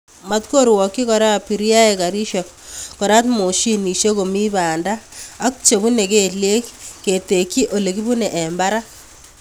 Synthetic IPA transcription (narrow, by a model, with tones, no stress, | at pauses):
ma˦tko˦ɾwɔ˨kːi˦kɔ˨ɾa˦pi˨ɾja˦e˨ka˨ɾi˦ʃɛk | kɔ˨ɾa˦tmo˨ʃi˦ni˨ʃje˦ko˨mi˦baː˨ndaː˦k̚t͡ʃe˨bu˦ne˨ke˨lje˦kke˨te˨kːi˦ʔo˨le˨ki˦bu˦nɛ˨ʔɛ˨mba˦ɾa˦